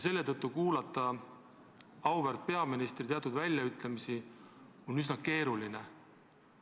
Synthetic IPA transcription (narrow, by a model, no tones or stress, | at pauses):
se̞lːe̞t̪ɤt̪ːˑukuːlɑt̪ːˑɑ | ɑwvert̪̚pe̞ɑminist̪rit̪e̞ɑt̪ud̪vælʲjɑyt̪ˑlemisi | onysnɑke̞ːɾuline